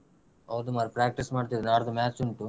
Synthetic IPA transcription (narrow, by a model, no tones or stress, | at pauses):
ɔːd̪umaːɾpɾaːk̚ʈismaːɽt̪id̪naːɾt̪maːt͡ʃuɳʈu